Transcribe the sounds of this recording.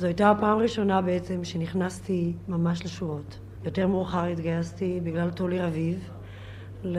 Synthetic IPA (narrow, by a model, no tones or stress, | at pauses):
zoajtapaːmʁiʃo̞nabeet͡se̞mʃeniχnastimamaʃleʃuʁo̞t | jo̞te̞ʁmuʁχaʁit̪ɡajastibiɡlaltoliʁaviv | l